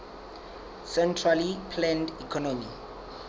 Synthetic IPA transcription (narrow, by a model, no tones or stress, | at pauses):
sɛntʰralipʰlɛ̃ndikʰɔnomi